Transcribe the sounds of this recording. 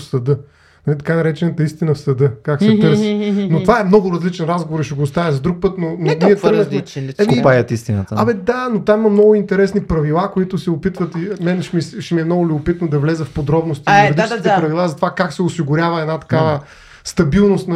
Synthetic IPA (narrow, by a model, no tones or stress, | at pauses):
fsɐd̪ɤ | nɐlit̪ɐkanɐɾɛt͡ʃɛnɐt̪əist̪inɐfsɐd̪ɤkaksɛt̪əɾsnot̪ovaɛmnɔɡʊɾɐzlit͡ʃɛnɾazɡovoɾiʃɛɡoːst̪avʲɛzɐd̪ɾuk̚pɤt̪nononiɛtɾɡnɐxɛkoipajət̪ist̪inə̰t̪ɐmɛd̪anot̪amimɐmnɔɡʊint̪ɛɾɛsnipɾɐvilˠakoit̪ʊsɛopit̪vət̪imɛnɛʃmiʃɛmiɛmnɔɡʊlʲʊbʊpit̪nod̪ɐvlɛzɛfpod̪ɾɔbnost̪iɾɾd̪iskiɛpɾɐvilˠazɐt̪ovakaksɛosiɡʊɾʲavɐɛnat̪ɐ̥kavə | st̪ɐbilˠnost̪n